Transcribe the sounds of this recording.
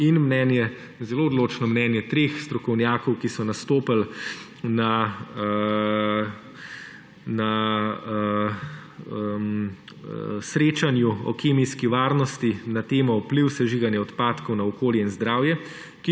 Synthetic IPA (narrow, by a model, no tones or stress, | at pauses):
inmnɛnjɛ | zɛloːd̪loːt͡ʃnɔmnɛnjɛt̪ɾeːxst̪ɾɔkɔwnjaːkɔwkisɔnast̪oːpəl | na | na | m | sɾeːt͡ʃanjuɔ̰keːmiskiʋaːɾnɔst̪inat̪eːmɔupliwsɛʒiɡanjɛɔt̪paːt̪kɔwnaɔkoːljɛinzd̪ɾaːwjɛ | ki